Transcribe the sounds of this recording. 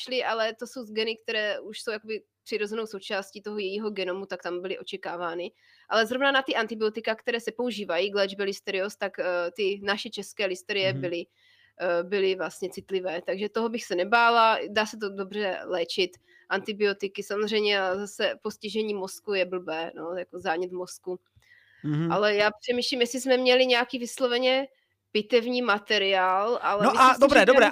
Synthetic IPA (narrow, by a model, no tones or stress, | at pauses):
ʃlɪʔalɛt̪o̞so̞wzɡɛnɪk̚t̪ɛɾɛːuʃso̞wjako̞bɪ | pr̥ɪɾo̞zɛno̞wsowt͡ʃaːscit̪o̞ɦojɛjiːɦo̞ɡɛno̞mut̪ak̚t̪ambɪlɪʔo̞t͡ʃɛkaːvaːnɪ | ʔalɛzɾo̞vnanat̪ɪʔant̪ɪbɪo̞t̪ɪkakt̪ɛɾɛːsɛpo̞uʒiːvajiːɡlɛːd͡ʒbɛlɪst̪ɛɾɪost̪akt̪ɪnaʃɛt͡ʃɛskɛːlɪst̪ɛɾɪjɛbɪlɪ | bɪlɪvlast̪ɲɛt͡sɪt̪lɪvɛːt̪aɡʒɛt̪oɦo̞bɪxsɛnɛbaːladaːsɛt̪̬odo̞br̝ɛlɛːt͡ʃɪt̪ | ʔant̪ɪbɪo̞t̪ɪkɪsamozr̝ɛjmɲɛazasɛpo̞sciʒɛɲiːmo̞skujɛbl̩bɛːno̞jakozaːɲɛt̪mo̞sku | ʔalɛjaːpr̥ɛmiːʃlimjɛsizmɛmɲɛlɪɲɛakiːvɪslo̞vɛɲɛ | pɪt̪ɛvɲiːmat̪ɛɾɪaːlʔalɛnoadobɾɛːdobɾɛː